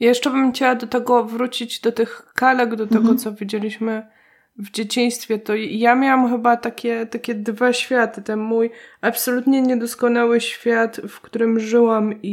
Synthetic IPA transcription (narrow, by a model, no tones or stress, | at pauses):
jajɛʂt͡ʂɛbɘmxt͡ɕawad̪ɔt̪ɛɡɔvɾut͡ɕid͡ʑd̪ɔt̪ɘxkalɛɡd̪ɔt̪ɛɡɔt̪sɔvʲid͡ʑelʲiɕmɘ | vd͡ʑet͡ɕij̃st̪fʲjɛt̪ɔjamʲjawamxɘbat̪akʲɛt̪akʲɛd̪vaɕfʲjat̪ɘt̪ɛnmujapsɔlut̪ɲɛɲɛd̪ɔskɔnawɘɕfʲjat̪fkt̪uɾɘmʐɘwami